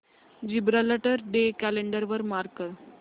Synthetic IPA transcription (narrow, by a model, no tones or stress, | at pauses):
d͡ʑibɾaləʈəɾɖekæleɳɖəɾʋəɾmaɾkəɾ